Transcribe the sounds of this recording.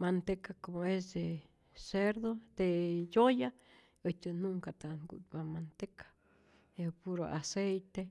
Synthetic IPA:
mant̪ekakomoes̬d̪e | seɾd̪od̪̥ejoja | ət͡ʃ̪ʲɨnuŋkat̪anɡṵt̪̚bamant̪ekḁ | epuɾo̰ʔasejt̪e

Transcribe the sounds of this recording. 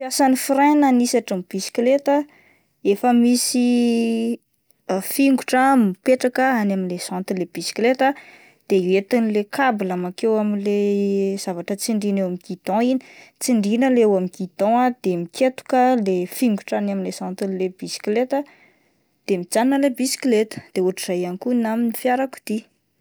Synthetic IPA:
asanifiɾananisaʈ͡ʂamib̥isi̥klet̪ə | efəmisi | fiŋɡuʈ͡ʂəmipeʈ͡ʂakəanaminlez̥ãnt̪ileb̥isi̥klet̪ə | d̪̥eet̪inilekʰabilamakewamilez̥avaʈ͡ʂət͡siɳɖ͡ʐinewamiɡid̪ɔ̃ini̥t͡siɳɖ͡ʐinəlewamiɡid̪ɔ̃ad̪̥emikʰet̪u̥kəlefiŋɡuʈ͡ʂanaminlesãnt̪inleb̥isi̥klet̪ə | d̪̥emid͡zannəlebisi̥klet̪ə̥d̪̥euʈ͡ʂizajanikunaminifjaɾaku̥d̪̥i

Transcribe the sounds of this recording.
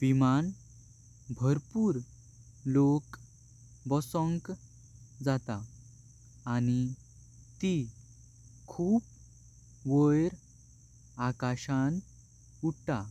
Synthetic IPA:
ʋiman | bʱəɾpuːɾ | lok | bɔsɔ̃ŋk | d͡zat̪aː | ni | t̪i | kʰuːp | ʋəjɾ | akaɕan | uʈ̚ʰt̪a

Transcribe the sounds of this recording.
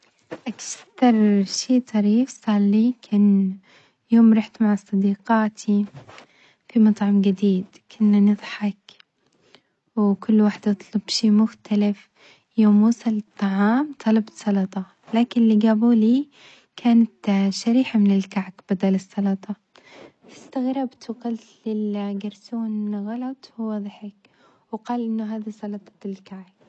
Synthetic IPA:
ʔaktɑɾˤʃiːt̪ˤɑɾiːfsˤɑːlːikʰan | joːmɾˤɑħt̪maʕasˤɑd̪iːqaːt̪ʰi | fimɑt̪ˤʕɑmɡɪd̪iːd̪ | kʰʊnːanɨðˤħɑk | wkʊlːwaːħɪd̪ʔɑt̪ˤlʊbʃiːmʊxt̪ʰalɪf | joːmːuːsɑlt̪ˤːɑʕɑːmt̪ˤʰɑlɑbt̪sˤɑlɑt̪ˤɑ | laːkɪnlːiːɡaːbuːliː | kʰaːnat̪ʃaɾiːħamɪnɪlkaʕkb̥ad̪aːlɨsˤːɑlɑt̪ˤɑ | t̪ɪ̥st̪aɣɾˤɑbt̪ʊqalt̪lɪlɡɑɾˤsuːnɣɑlɑt̪ˤwʊwɑðˤħɪk̚ | wɪqɑːlʔɪnːʊɦaːðisˤɑlɑt̪ˤɑ̥ɪlkaʕk̚

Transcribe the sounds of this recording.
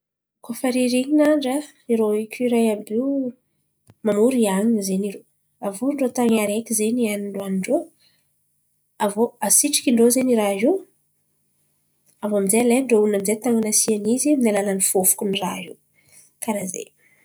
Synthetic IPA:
kofaɾiɾiɲinaɳɖ͡ʐə | iɾoikʲʰuɾajabiw | mamuɾiaɲinzeniɾo | avuɳɖ͡ʐot̪aŋaɾekʲizeɲianiɳɖ͡ʐoaniɳɖ͡ʐo | avoasiʈ͡ʂi̥kʲiɳɖ͡ʐozeniɾaɦiw | avoamizealeɳɖ͡ʐounamizet̪aŋanasianiziminalananifofu̥kunira̰ɦiw | kaɾazḛ

